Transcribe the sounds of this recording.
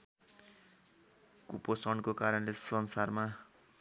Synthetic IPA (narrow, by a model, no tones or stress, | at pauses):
kuposʌɳkokaɾʌnlesʌnsarma